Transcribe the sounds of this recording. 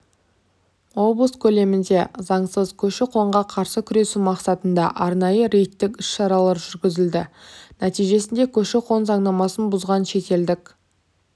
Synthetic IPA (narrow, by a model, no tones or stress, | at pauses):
wo̞blˠəskʲʰɵle̞mɪnd̪e̞zɑɴsəzkʲʰɵʃɪqʰo̞ɴʁɑqʰɑɾsəkʲʰʏɾe̞sumɑqsɑt̪ənd̪ɑ̰ʔɑɾnɑjəɾejt̪ːɪkʲʏsʃɑɾɑlˠɑɾʒʏɾɡʲɪzɪld̪ɪnæt̪ijʒe̞sɪnd̪e̞kʲʰɵʃɪqʰo̞nzɑɴnɑmɑsənbʊzʁɑnʃe̞t̪e̞ld̪ɪkʲ